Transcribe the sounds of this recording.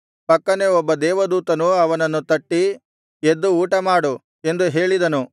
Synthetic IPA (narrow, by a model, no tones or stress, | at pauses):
pɐkːɐneɔbːɐd̪ɛːʋɐd̪uːt̪ɐnuɐʋɐnɐnːut̪ɐʈːi | ed̪ːuuːʈɐmaːɽu | e̞nd̪uɦe̞ːɭid̪ɐnu